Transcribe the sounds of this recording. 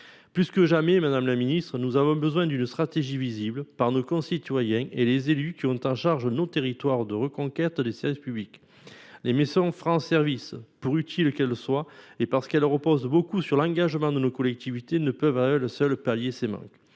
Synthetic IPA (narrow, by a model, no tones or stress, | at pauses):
plyskəʒamɛmɛd̪amlaminist̪χənuzavɔ̃bəzwɛ̃d̪ynst̪χat̪eʒiviziblpaʁnokɔ̃sit̪wajɛ̃ʔelezelykʲiɔ̃t̪ɑ̃ʃaʁʒənot̪eʁit̪waʁd̪əʁəkɔ̃kɛt̪d̪esɛʁvispyblik | lemezɔ̃fʁɑ̃sɛʁvispuʁyt̪ʰilkɛlswaepaʁsə̥kɛlʁəpɔzbokusyʁlɑ̃ɡaʒəmɑ̃d̪ənokɔlɛk̚t̪ivit̪enəpœvaɛləsœlpaljesemɑ̰̃k